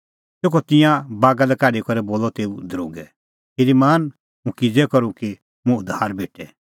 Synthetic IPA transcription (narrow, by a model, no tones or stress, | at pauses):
sekɔt̪ɪ̃jãbaːɡalɛkaːɽikɔɾɛboːlɔt̪eːud̪ɾo̰ːɡɛ | heɾimaːn | mũkid͡zɛkɔɾũki | mũʊd̪ʱaːɾbeːʈɛ